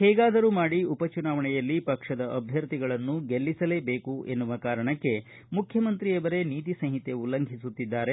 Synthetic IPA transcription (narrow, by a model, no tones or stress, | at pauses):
hɛːɡaːd̪ɐɾuːmaːɽiupɐt͡ʃunaːʋɐɳɛjɐlːipɐkʂɐd̪ɐʔɐbʱjɐɾt̪iɡɐɭɐnːuɡelːisɐle̞ːbe̞ːkuʔe̞nːuʋɐkaːɾɐɳɐkːe̞ | mukʰjɐmɐnt̪ɾijɐʋɐɾe̞niːt̪̬isɐnɦit̪e̞ulːɐŋɡʱisut̪ːid̪ːaːɾe̞